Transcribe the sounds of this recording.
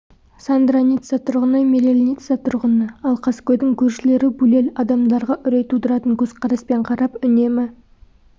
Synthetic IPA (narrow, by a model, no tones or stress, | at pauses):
sand̪ɾanit̪sɑt̪ʰʊɾʁənɑjmeɾelʲnit̪sɑt̪ʰʊɾʁənəɑlˠqʰɑskʲɵd̪ɪŋkʲʰɵɾʃɪle̞ɾɪbule̞lɑd̪ɑmd̪ɑɾʁɑʔʏɾe̞t̪ud̪əɾɑt̪əŋkʲʰɵz̥qʰɑɾɑspe̞ɴqʰɑɾɑpʏne̞mɪ